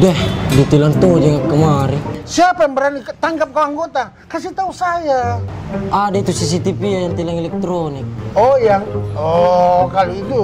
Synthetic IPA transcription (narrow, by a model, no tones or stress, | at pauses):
dɛhdit̪ilant̪od͡ʒəŋakːəmaɾisiapajaŋbəɾanit̪aŋkap̚kawaŋɡot̪a | kasit̪ausaja | ʔadait̪usis̬it̪ipiajaŋt̪ilaŋɛlɛk̚t̪ɾonik̚ɔjaŋɔkaluit̪u